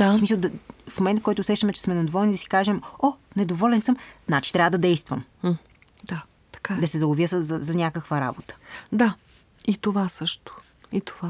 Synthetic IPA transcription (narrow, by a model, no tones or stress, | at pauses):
d̪̥asmisəlˠd̪ɐfmomɛnt̪fkɔjt̪ʊːsɛʃt̪əmɛt͡ʃɛ̥smɛnɐd̪ovɔlˠnid̪ɐsi̥kaʒɛmɔnɛd̪ovɔlɛnsɤmznat͡ʃi̥t̪ɾʲavəd̪ɐd̪ɛjst̪vəm | d̪̥a | t̪ɐ̥kad̪ɐsɛzɐoviəsəzɐzɐnʲakəkvəɾa̰bot̪ə̥d̪a | it̪ovasɤʃt̪ʊ̥ | it̪o̥va